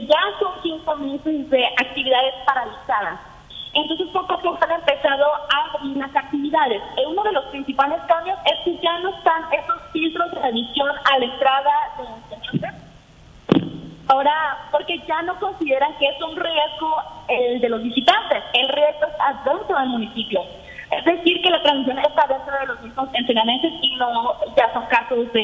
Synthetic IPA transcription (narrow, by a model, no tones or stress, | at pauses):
ʝaso̞ŋsiŋkomesezde̞ʔak̚t̪iβiðaðe̞spaɾalisaðas | e̞nt̪o̞ns̬e̞spoɾkokesane̞mpe̞saðo̞aβeβiɾlasak̚t̪iβiðaðe̞seuno̞ð̞e̞lo̞spɾinsipale̞skamjo̞se̞skeʝano̞est̪ane̞so̞sfilt̪ɾo̞zd̪eneðisjo̞nalaent̪ɾaðaðed̪enese | ao̞ɾapo̞ɾke̞ʝano̞ko̞nsiðe̞ɾaŋkeesunrje̞zɣo̞eld̪e̞lo̞zβisit̪ant̪e̞se̞lrje̞zɣoest̪aðe̞nt̪ɾo̞ðe̞lmũnisipjo̞ | ezd̪e̞siɾke̞lat̪ɾãnsmis̬jo̞nest̪aðe̞nt̪ɾoðelo̞zmizmo̞se̞nsenament̪e̞sino̞ʝaso̞ŋkasozde